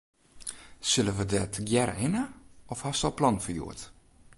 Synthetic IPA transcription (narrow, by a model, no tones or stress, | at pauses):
sɪləʋədɛtɡjɛrɪnəɔfhastɔlˠplɑnfəjṵət